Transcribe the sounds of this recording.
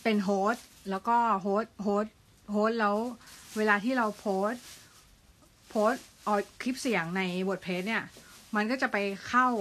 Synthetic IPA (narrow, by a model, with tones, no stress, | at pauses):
pe˧nɦoː˦˥t̪̚lɛː˦˥wkɔː˥˩ɦoː˦˥t̪̚ɦoː˦˥t̪̚ | ɦoː˦˥t̪̚lɛ˦˥wweː˧laː˧t̪ʰiː˥˩ɾa˧wpʰoː˦˥t̪̚ | pʰoː˦˥t̪̚ʔɔː˧kʰi˦˥p̚si˨˩˦ŋna˧jbo˨˩t̪̚pʰeː˦˥t̪̚ni˥˩ɐma˧nkɔː˥˩t͡ɕa˨˩pa˧jkʰa˥˩w